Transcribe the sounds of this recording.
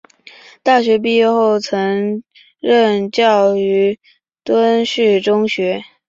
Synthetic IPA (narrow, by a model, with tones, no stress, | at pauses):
t̪a˥˩ɕɥɛ˧˥p̬i˥˧xo˥˩ʊt͡sʰɤ˧˥ŋ | ɻə˥˧nt͡ɕjɑ˥˩ʊy˧˥ | t̪wə˥nʂɻ̩˥˩ʈ͡ʂʊ˥ŋɕɥɛ˧˥